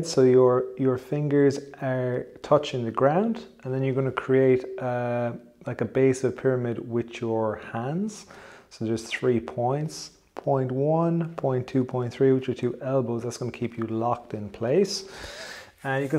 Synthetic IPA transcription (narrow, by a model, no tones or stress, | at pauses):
d̥soʊjə˞jə˞fɪ̃ŋɡə˞zə˞tʰʌt͡ʃɪ̃ŋðəɡɹãʊ̃ndə̃nðə̃njə˞ɡʌnəkʰɹ̥ieɪtʔə | laɪkəbeɪsəv̥pʰɪɹəmɪdwɪðjə˞hãndz̥soʊðə˞z̥θɹiːpʰɔ̃ɪ̃nts | pʰɔ̃ɪ̃nʔwʌ̃npʰɔ̃ɪ̃ntʰʉːpʰɔ̃ɪ̃nθɹiːwɪt͡ʃə˞tʰʉːʔɛlˠboʊzðətsɡ̥ʌnəkʰipʰjəlɑk̚tɪ̃npʰl̥eɪs | əjəkə̃